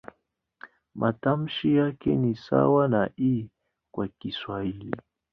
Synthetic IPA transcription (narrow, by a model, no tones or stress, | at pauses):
mʔatam̩ʃijakɛ̰nisa̰wanaʔi | kwakiswaili